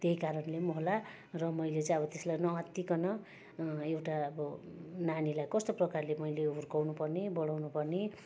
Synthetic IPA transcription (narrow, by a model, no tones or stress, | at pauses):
t̪eɦikaɾʌnlemoɦla | rʌmʌjlet͡sãʌbʌt̪eslajnʌʌt̪ːikʌnʌ | ewʈaʌbʌnanilajkʌst̪oprʌkarlemʌjleurkawnupʌrnebʌɽawnupʌrne